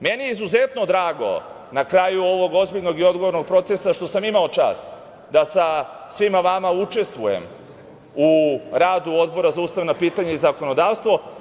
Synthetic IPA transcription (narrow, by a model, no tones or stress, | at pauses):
me̞nijeizuze̞t̪no̞d̪ɾaːɡo̞̰ | nakɾajuo̞ʋo̞ɡo̞zbiʎno̞ɡio̞d̪ɡoʋo̞ɾnoɡ̚pɾo̞t̪sesaʃt̪o̞samimao̞t͡ʃa̰ːst̪ | d̪asa | sʋimaʋamaut͡ʃe̞st̪ʋujḛm | uɾaːd̪uo̞d̪bo̞ɾazauːst̪aʋnapiːt̪aɲaizako̞no̞d̪aːʋst̪ʋo̞